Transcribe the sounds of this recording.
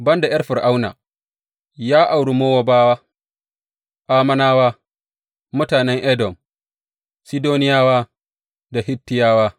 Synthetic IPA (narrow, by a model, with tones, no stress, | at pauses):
bɐ˦nda˨jɐ˦rɸɪ˨rʔa˦wna̰ː˨ | jaː˦ʔa˨wɽu˨moː˦wa˦baː˦waː˦ | ʔaː˦mɐ˦naː˦waː˦ | mʊ˦taː˨nɛ˦ŋʔɛ˦dɔ˨m | si˦doː˦nɪ˦jaː˦waː˦ | da˨hɪ˦tːɪ˦jaː˦waː˦